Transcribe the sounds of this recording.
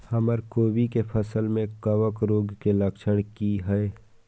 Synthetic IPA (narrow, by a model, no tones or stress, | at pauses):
hɐməɾkoːbikepʰəsəlmẽkəʋəkɾoːɡkeləkt͡ʃʰəɽkiɦɛe